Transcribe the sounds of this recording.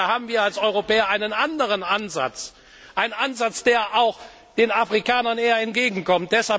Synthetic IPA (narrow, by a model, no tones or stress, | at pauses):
aɦaːbm̩viːɐalsʔɔʏʁopɛːɐʔaɪnənʔandəʁənʔanza̰t͡s | ʔaɪnnanzat͡sd̥eːɐʔaʊx | d̥eːnafʁ̥ikaːnɐneːɐɛntɡ̥eːɡŋ̩kɔmt̚d̥ɛshal